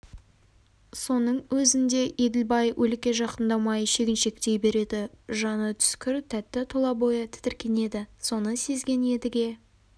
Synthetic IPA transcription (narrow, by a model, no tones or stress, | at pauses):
so̞nəɴwɵzɪnd̪e̞ʔed̪ɪlbɑjwʔɵlkʲe̞ʒɑqənd̪ɑmɑjəʃe̞kʲɪnʃe̞kt̪e̞jbe̞ɾe̞d̪ɪʒɑnət̪ʰʏ̥skʲɪɾt̪ʰæt̪ːɪt̪ʰolˠɑbo̞jət̪ʰɪ̥t̪ɪɾkʲe̞ne̞d̪ɪso̞nəse̞zɡʲe̞ne̞d̪ɪɡʲe̞